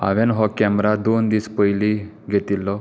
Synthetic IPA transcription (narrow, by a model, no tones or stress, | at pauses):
a̰ʋenɦɔkɛmɾad̪ond̪iːspəjli | ɡʱet̪ilːɔ